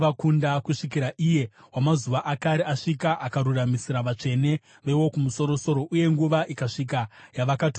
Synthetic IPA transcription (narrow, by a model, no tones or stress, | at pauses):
akundakuʂikiɾaʔije̞ | wamazuʋaʔakaɾeaʂikaʔakaɾuramisiɾaʋat͡ʂe̞ne̞ | ʋe̞wo̞kumuso̞ɾo̞so̞ɾo̞ʔuje̞ŋɡuʋaʔikaʂikajaʋakatː